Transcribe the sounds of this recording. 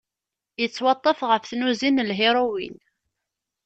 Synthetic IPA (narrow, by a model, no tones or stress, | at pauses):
jət͡sːwɑt̪ˤːəfʁəfθnuzinlɦɪɾˤuwḭn